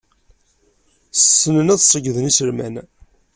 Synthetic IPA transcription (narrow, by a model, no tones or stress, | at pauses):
ssːənənæðsˤːəɡːðənisəɾmæ̰n